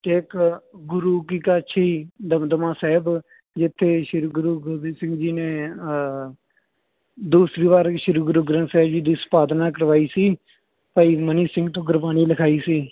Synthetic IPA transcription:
t̪eːkɡʊɾuːkiːkat͡ʃʰiːd̪əd̪əmãːsɛːb | d͡ʒɪt̪ʰːeːʃɪɾɡʊɾuːɡʊbiːsɪ̃ŋɡd͡ʒiːneː | d̪uːsɾiːʋaːɾʃɪɾɡʊɾuːɡɾənsɛːbd͡ʒiːd̪iːspaːd̪naːk̬əɾʋaːiːsiː | pəiːməniːsɪ̃ŋɡt̪õːɡʊɾbaːniːləkʰaːiːsiː

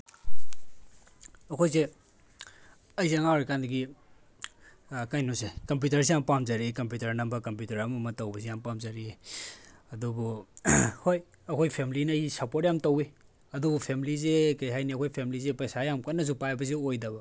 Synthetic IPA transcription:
ɐkʰojse | ɐjzeŋawɾikandɐɡi | kajnusekɐmp̬jutɐɾs̬ijampamzaɾikɐmpjutɐɾnɐmbɐkɐmpjutɐɾɐmɐmɐtɐwbɐsijampamzaɾi | ɐdubu | hoj | ɐkʰojpʰemilinjsapotjamtɐwi | ɐdubupʰemilizekɐjɦajniɐkʰojpʰemilizepɐjsajamkɐnːɐs̬upajbɐs̬iojdɐbɐ

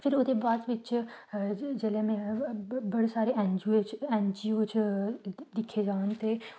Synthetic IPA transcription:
pʰɪɾʊd̪ebaːd̪ʋɪt͡ʃ | d͡ʒelemɛ̃ːbɐɽesaːɾeʔɛ̃nd͡ʒuet͡ʃɛ̃nd͡ʒiut͡ʃ | d̪ɪkʰːed͡ʒaːnt̪eː

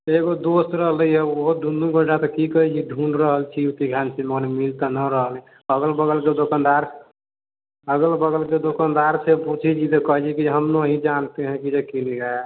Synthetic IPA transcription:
t̪eɡod̪ost̪ɾəɦləjɦeoɦod̪ʱund̪ũɡəʈat̪ɔkikəɦit͡ʃʰid̪ʱunɖɾəɦəlt͡ʃʰiut̪iɡʱansimɔnemilt̪anəɾəɦəlɛ̃ | əɡəlbəɡəlked̪okənd̪aɾ | əɡəlbəɡəlked̪okənd̪aɾseput͡ʃʰid͡ʒit̪ɔkəɦd͡ʒikid͡ʒeɦəmnoəɦĩd͡ʒant̪eɦɛ̃kid͡ʒekiniɡa

